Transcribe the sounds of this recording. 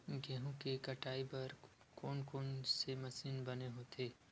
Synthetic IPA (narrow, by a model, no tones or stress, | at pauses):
ɡɛɦõkekɐʈaːibɐɾ | koːnkoːnsemɐsiːnbɐneɦoːt̪ʰeː